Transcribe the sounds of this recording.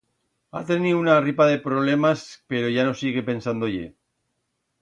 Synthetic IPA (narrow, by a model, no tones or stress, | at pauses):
a̰t̪e̞niuunaripaðe̞pɾoβ̞le̞maspe̞ɾo̞ʝano̞siɣe̞pe̞nsand̪oʝḛ